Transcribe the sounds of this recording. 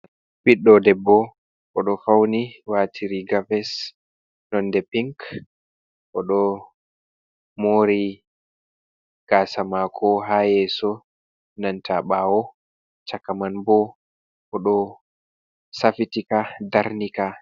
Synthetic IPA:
biɗɔdɛbːɔ | ʔɔɗɔfawniwaːtʰiɾiɡavɛs | nɔndɛpiŋk | ʔɔɗɔ | moɾi | ɡ̥aːsamakʰɔɦajɛsɔ | nantʰaɓawɔ | t͡ʃakːamanbɔ | ʔɔɗɔ | safitikadaɾnika

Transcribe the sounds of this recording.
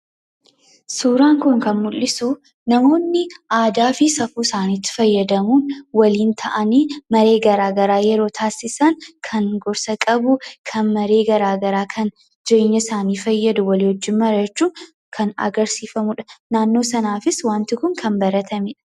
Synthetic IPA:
suːɾaːŋkʊŋkɐnmʊlːɪsu | nɐmo̞ːnːɪʔaːd̪aːfɪsɐfuːsaːniːt̪ːɪ̥fɐjːɐd̪ɐmuːnwɐliːnt̪ʰɐʔɐniːmɐɾe̞ːɡɐɾaːɡɐɾaːjɛɾo̞ːt̪ʰaːsɪsɐnkʰɐŋɡɔɾsɐkʼɐbʊkʰɐnmɐɾe̞ːɡɐɾaːɡɐɾaːkʰɐn | d͡ʒɛʔɪɲːɐsaːniːfɐjːɐd̪ʊwɐliːhɔd͡ʒːɪnmɐɾɐt͡ʃːuː | kʰɐnɐ̰ɡɐɾsiːfɐmʊᶑɐ̥naːnːo̞ːsɐnaːfɪswaːnt̪ɪkʊŋkʰɐnbɐɾɐt̪ʰɐmɪᶑɐ̥

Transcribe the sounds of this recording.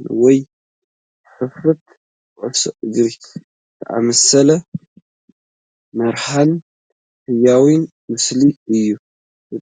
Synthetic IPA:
nwɔj | ħɨfɨt̪ | ʕʊso̰ʔɨɡɾi | t̪ʰɐʔa̰mɐsɐlɐ | mɐɾħan | hɨjawin | mɨsliɨjːu

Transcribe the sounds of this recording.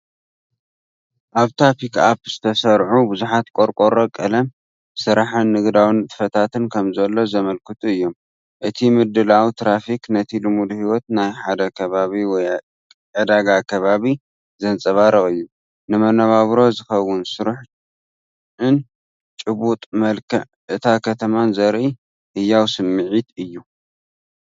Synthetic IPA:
ʔaβt̪ʰapikapz̥ɨt̪ʰɐsɐɾʕubɨzuħat̪kʼo̞ɾkʼoɾokʼɐlɐm | sɨɾaħanːɨɡd̪awint̪ʼɨ̥fɐt̪ʰat̪ʰɨnkʰɐmzɐlːo̞zɐmɐlkʰɨt̪ʼuɨjːo̞m | ʔɨt̪ʰimɨd̪ɨlawit̪ʰɾafiknɐt̪ʰilɨmud̪hiwɔt̪najħad̪ɐkʰɐβaβiwɔj | ʕɨd̪aɡakʰɐβaβi | zɐnt͡sʼɐβaɾɐχʼɨjːu | nɨmɐnɐβaβɾo̞zɨxɐwʊnsɨɾuħ | ʔɨn | t͡ʃʼɨβut̪ʼmɐlkʰɐʕʔɨt̪ʰakʰɐt̪ʰɐmanzɐɾʔi | hɨjːawsɨmːɨʕit̪ɨjːu

